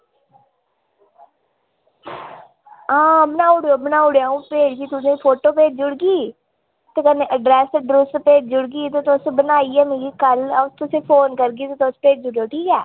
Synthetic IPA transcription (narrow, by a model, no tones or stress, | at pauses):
ãːbənaːʊɽjoːbənaːʊɽjaːũːpeːɾkiːt̪ʊsẽːpʰoːʈoːpeːd͡ʒd͡ʒʊɽɡiː | t̪eːkənːẽːʔəɖɾɛːsɖɾʊspeːd͡ʒd͡ʒʊɽɡiːt̪eːt̪ːsbənaːiːɛːmẽɡiːkəlʊst̪ʊsẽːpʰoːnkəɾɡiːt̪et̪ospeːd͡ʒd͡ʒʊɽjoːʈʰiːkɛː